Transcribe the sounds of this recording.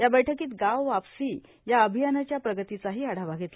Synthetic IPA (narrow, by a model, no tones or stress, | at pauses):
jabəjʈʰəkiːt̪ɡawʋapsiː | jaəbʱijanat͡ɕjapɾəɡət̪it͡saɦiːaɽ̤aʋaɡʱet̪l